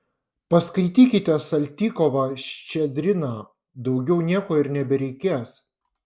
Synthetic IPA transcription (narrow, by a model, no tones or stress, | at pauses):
pɐskɐɪt̪ʲiːkʲɪt̪ʲɛsɐlʲt̪ʲiːkɔʋɑʃʲt͡ʃʲɛd̪ʲɾʲɪnɑ | d̪ɒʊɡʲɛʊnʲiɛkoːɪɾnʲɛbʲɛɾʲɛɪkʲeːs